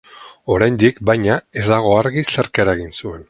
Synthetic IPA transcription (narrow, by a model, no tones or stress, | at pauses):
o̞ɾajnd̪ikbajɲae̞zd̪aɣ̞o̞aɾɣiseɾkeɾaɣinsue̞n